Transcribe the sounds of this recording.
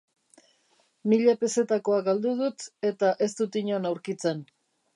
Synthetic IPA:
miʎape̞se̞t̪ako̞aɡald̪uð̞ut̪e̞t̪aʔe̞st̪ut̪iɲo̞nawɾkit͡se̞n

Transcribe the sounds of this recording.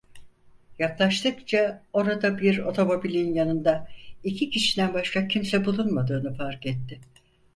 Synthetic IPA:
jaklˠaʃt̪ʰɯkt͡ʃʰao̞ɾad̪abiɾo̞t̪ʰo̞mo̞bilʲijinjanɯnd̪aicʰicʰiʃid̪ænbaʃkacʰimsɛbulˠunmad̪ɯːnɯfaɾkɛt̪ːɪ

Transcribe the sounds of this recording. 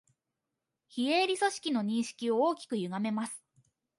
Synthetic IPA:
çieːɾʲiso̞ɕi̥kʲino̞ɲ̟ĩɰ̃ɕi̥kʲio̞oːkʲi̥kɯ̟jɯ̟ɡame̞masɨ̥

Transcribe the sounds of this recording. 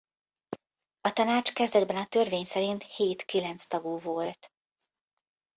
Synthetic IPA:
ɒt̪ɒnaːt͡ʃkɛzd̪ɛd̪bɛnɒt̪ørveːɲsɛɾint̪heːt̪kilɛnt̪st̪ɒɡuːvo̞lt̪

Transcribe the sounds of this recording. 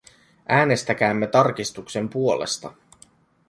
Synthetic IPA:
ʔæːne̞st̪æk̟æːmːe̞t̪ɑrk̟ist̪ukse̞mpuo̞le̞̰st̪ɑ̰

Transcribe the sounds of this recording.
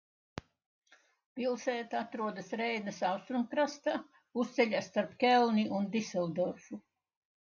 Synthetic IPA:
pilˠsɛːt̪at̪ɾuɔd̪asɾɛjnəsawst̪ɾuŋkɾast̪a | ust̪sɛʎʲast̪aɾpkʲɛlˠniʔund̪isɛlˠd̪ɔɾfu

